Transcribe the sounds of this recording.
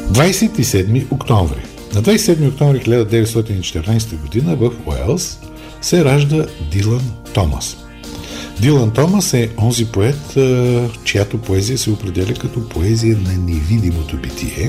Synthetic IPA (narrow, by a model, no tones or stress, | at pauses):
d̪vajsɛt̪isɛd̪miʔokt̪ɔ̃ɱvɾḭ | nɐd̪vajsɛ̥ɛd̪miok̚t̪ɔ̃ɱvɾixilʲad̪əd̪ɛvɛt̪st̪ɔt̪init͡ʃɛ̥t̪ɛɾnajsɛt̪əɡod̪inəvɐfo̰ɛ̰lˠs | sɛɾaʒd̪əd̪ilˠɐnt̪ɔmɐ̰s | d̪ilˠɐnt̪ɔmɐsɛɔnzipoɛt̪ | t͡ʃejat̪opoɛzijəsɛopɾɛd̪ɛlʲɛkɐt̪ɔpʰoɛzijənɐnɛvid̪imot̪obit̪ʲḭɛ